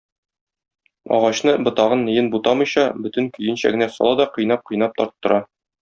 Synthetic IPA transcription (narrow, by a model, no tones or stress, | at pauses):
ɒ̰ʁɑɕnɤbŏt̪ɑʁɤnːɘ̆jɘnbut̪ɑmɤ̆jɕɑbɵ̆t̪ɘ̆ŋkɵ̆jɘ̆nɕæ̰ɡɘ̆næsɒ̰lˠɑd̪ɒqɤ̆jnɑp̚qɤ̆jnɑp̚t̪ɒɾt̪ːɤ̆ɾʔɑ